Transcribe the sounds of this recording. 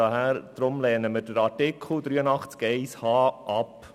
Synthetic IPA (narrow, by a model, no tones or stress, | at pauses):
ɑɦæɾd̥̪ɾʊmlɛːnəməɾd̥əɾɑɾtɪkʰl̩d̥̪ɾyːənɑχt͡skɛɪshɑːʔɑp